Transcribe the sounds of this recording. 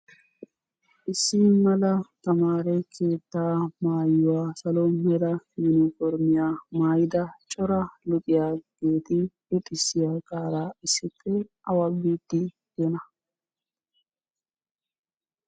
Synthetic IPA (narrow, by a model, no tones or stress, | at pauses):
ʔɪsːɪmɐlɐt̪ɐmaːɾɛkʰe̞ːt̪ːaːmaːjːʊwaːsɐlɔmɛɾɐjʊnɔfɔɾmɪjaːmaːjɪd̪ɐt͡ʃʼɔɾɐlʊt̪ʼɪjaːɡ̥e̞ːt̪ɪlʊt̪ʼːɪsːɪjakʼaːɾaːɪsːɪtːɛ | ɐwɐbiːt̪ːɪ | dɛnɐ